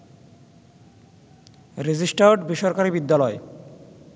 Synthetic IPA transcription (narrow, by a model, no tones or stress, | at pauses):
ɾed͡ʑisʈaʈbiʃɔɾkaɾibid̪ːalɔe